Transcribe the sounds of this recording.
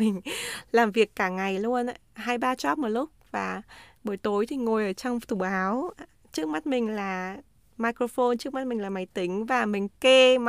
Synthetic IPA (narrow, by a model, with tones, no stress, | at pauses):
ï˨˩ŋ̟laː˨˩mvi˨˩əkːaː˧˩ŋa˨˩jlu˧ən˨ɦaː˧jɓaː˧t͡ɕɔ˦˥mo˨˩t̚lʊ˦˥k͡p̚vaː˨˩ɓə˧˩jt̪o˨˦jt̪ʰi˨˩ŋo˨˩jʔəː˧˩t͡ɕɔ˧wŋ͡mt̪u˧˩ɓaː˨˦w | t͡ɕɨ˦˥k̚ma˦˥t̚mï˨˩ŋ̟laː˨˩ | maː˧jkɾo˧fo˧nt͡ɕɨ˦˥k̚ma˦˥t̚mï˨˩ŋ̟laː˨˩ma˨˦jt̪ï˨˦ŋ̟vaː˨˩mï˨˩ŋ̟ke˧m